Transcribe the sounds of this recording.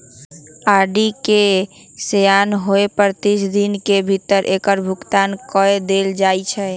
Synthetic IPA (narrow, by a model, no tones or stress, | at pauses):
aɖike | sejanɦoepəɾt̪isʰd̪inkebʱit̪əɾʔekəɾbʱukt̪ankɔed̪eld͡ʒajt͡ʃʰɛ